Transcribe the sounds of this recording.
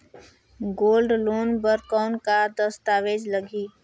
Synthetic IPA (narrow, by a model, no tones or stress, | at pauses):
ɡoːlɖloːnbəɾkɔːʊnkad̪əst̪aːʋeːd͡ʒləɡiː